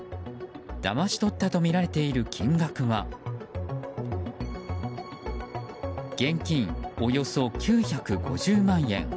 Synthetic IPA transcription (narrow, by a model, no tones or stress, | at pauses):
d̪̥a̰maɕi̥t̪o̞t̪ːat̪o̞mʲiɾaɾe̞t̪e̞iɾɯ̟kʲʰĩŋɡakɯ̟βa | ɡ̥ẽ̞ŋkʲĩŋo̞jo̞so̞kʲɨːçakɯ̟ɡo̞̰ʑɨːmãɰ̃ẽ̞̰ŋ